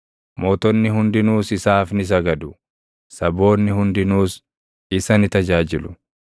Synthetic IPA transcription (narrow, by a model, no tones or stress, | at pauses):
moːt̪ɔnːɪɦʊnd̪ɪnuːsɪsaːfnɪs̬ɐɡɐd̪ʊ | sɐbo̞ːnːɪhʊnd̪ɪnuːs | ɪsɐnɪt̪ɐd͡ʒaːd͡ʒɪlʊ̥